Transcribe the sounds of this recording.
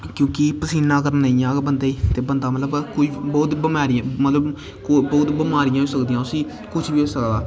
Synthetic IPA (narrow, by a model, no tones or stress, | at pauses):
kjõːkɪpəsiːnãːkəɾnːaijãːbənd̪aːiːt̪eːbənd̪aːmət̪ləbkʊibɔːt̪bɪmaːɾɪjãːmət̪ləb | kobɔːt̪bɪmaːɾɪjãːɦoːsəkd̪iːãːʊsĩː | kʊt͡ʃʰbiːoːsəkd̪aː